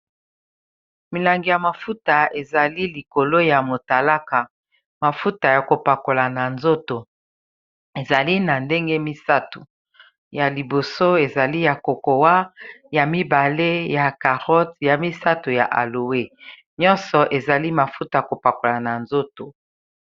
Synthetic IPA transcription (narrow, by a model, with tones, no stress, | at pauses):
mi˨la˨ŋɡi˨ja˨ma˨fu˦ta˨e˨za˨li˦li˨ko˨lo˦ja˨mo˨ta˨la˦ka˨ | ma˨fu˦ta˨ja˨ko˨pa˨ko˨la˨na˨nzo˦to˨ | e˨za˨li˦na˨nde˦ŋɡe˦mi˦sa˦tu˨ | ja˨li˨bo˨so˦e˨za˨li˦ja˨ko˨ko˨wa˦ja˨mi˦ba˨le˦ja˨ka˨ʁɔ˦tja˨mi˦sa˦tu˨ja̰˨ʔa̰˨lo˨we˦ | ɲɔ˦nsɔ˨ʔe˨za˨li˦ma˨fu˦ta˨ja˨ko˨pa˨ko˨la˨na˨nzo˦to˨